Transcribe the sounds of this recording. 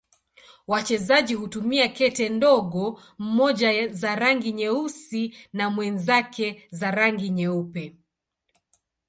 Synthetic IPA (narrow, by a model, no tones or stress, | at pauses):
wat͡ʃɛzaʄihutumiakɛtɛndɔɠɔ | m̩mɔʄazaɾaŋɡiɲɛusinamwɛnzakʰɛzaɾaŋɡiɲɛupɛ